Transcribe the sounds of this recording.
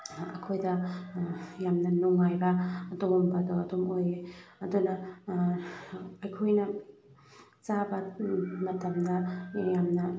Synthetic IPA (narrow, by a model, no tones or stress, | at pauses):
ɐkʰojdɐ | jamnɐnuŋajbɐɐdombɐdoɐdomojeɐdunɐ | ɐjkʰojnɐ | t͡ʃabɐmɐtɐmdɐjamnɐ